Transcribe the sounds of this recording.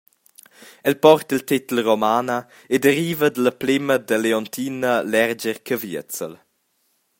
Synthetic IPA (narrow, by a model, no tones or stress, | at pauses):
ɛlpɔrt̪ilt̪it̪əlromaːnə | ed̪əɾiːvəd̪ələplɪməd̪əleɔnt̪ʰiːnəlɛrd͡ʒəɾkʰəviət͡sə̰l